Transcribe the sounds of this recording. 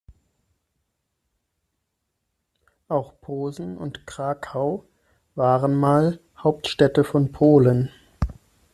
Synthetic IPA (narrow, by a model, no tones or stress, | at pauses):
ʔaʊxpʰoːzn̩ʊ̰ntkʁ̥aːkʰaʊ | vaːʁənmaːl | haʊp̚tʃtɛtəfɔnpʰoːlən